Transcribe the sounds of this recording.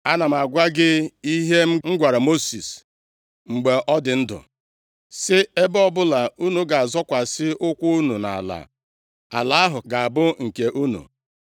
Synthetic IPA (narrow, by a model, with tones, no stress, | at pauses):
a˦na˨m̩˨a˨ɡʷa˦ɡɪ˦i˦ɦe˦m̩˦ŋ͡m̩˦ɡʷa˨ɾa˨mo˦si˨s | ŋ͡m̩˨ɡ͡be˨ʔɔ˦dɪ˨n̩˦dʊ̰˨ | sɪ˦e˦bɔ˦bʊ˦la˨u˦nu˨ɡa˨a˨zɔ˦kʷa˨sɪ˦ʊ˦kʷʊ˦u˦nu˨na̰˨a̰˨la̰˨ | a̰˨la˨a˦ɦʊ˨ɡa˨a˨bʊ˦ŋ̩˨ke˨ʔu˦nṵ˨